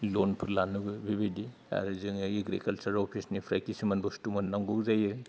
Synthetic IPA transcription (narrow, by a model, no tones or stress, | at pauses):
lonpʰɯɾlanuɡɯbibidi | a̰ɾɯzɯŋiɡɾikɐlsɐɾopʰisnipʰɾajkisimɐnbɔstumɐnːaŋɡuwzajɯ